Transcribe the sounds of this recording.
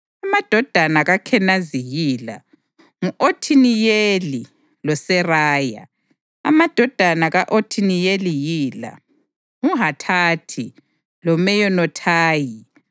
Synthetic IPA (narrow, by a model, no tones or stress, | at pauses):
amad̥ʱɔd̥ʱanaɣakʰɛnazijiːla̰ | ŋuotʰinijeli | lɔsɛraːja̰ | a̰mad̥ʱɔd̥ʱanaɣaʔotʰinijelijiːla̰ | uɦatʰatʰi | lɔmɛjɔnɔtʰaːji